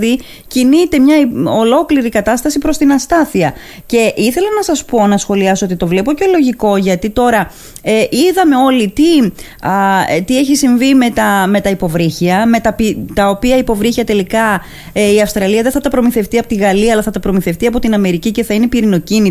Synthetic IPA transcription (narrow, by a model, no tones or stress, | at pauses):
ði | cinit̪e̞mɲɐolo̞kliɾikɐt̪ɐst̪ɐsipɾo̞st̪inɐst̪ɐθiɐ | ce̞ʔiθe̞lɐnɐsɐspo̞nɐsxo̞liɐsoo̞t̪it̪o̞vle̞po̞celo̞ʝiko̞ʝɐt̪it̪o̞ɾɐ | eʔiðɐme̞o̞lit̪i | ɐt̪ie̞çisiɱvime̞t̪ɐme̞t̪ɐipo̞vɾiçiɐme̞t̪ɐpit̪ɐo̞piɐipo̞vɾiçiɐt̪e̞likɐ | eiɐfst̪ɾɐliɐðeθɐt̪ɐpɾo̞miθe̞ft̪iɐpot̪iɣɐliɐːlɐθɐt̪ɐpɾo̞miθe̞ft̪iɐpo̞t̪inɐme̞ɾicice̞θɐine̞piɾino̞cini